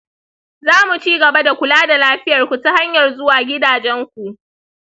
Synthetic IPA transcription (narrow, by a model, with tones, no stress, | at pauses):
zaː˦mu˨t͡ʃiː˦ɡɐ˨ba˦da˨kʷʊ˨laː˦da˨laː˦ɸɪ˦jɐ˨rkʷu˨ta˦ha˦ɲjɐ˨rzʊ˦waː˨ɡʲɪ˦daː˨d͡ʒɛ˦ŋkʷu˨ʔ